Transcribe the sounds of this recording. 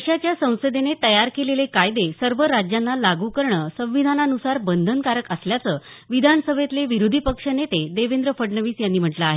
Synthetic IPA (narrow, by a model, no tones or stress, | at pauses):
ɕat͡ɕjasə̃w̃səd̪enet̪əjaɾkelelekajd̪esəɾʋəɾad͡ʑjanːalaɡukəɾɳəsə̃w̃ʋid̪ʱananusaɾbənd̪ʱənkaɾəkəsljat͡səː | ʋid̪ʱanəsəbʱet̪leʋiɾud̪ʱipəkʂənet̪ed̪eʋend̪ɾəfəɽɳəʋiːsjanːiːm̤əʈlaaɦe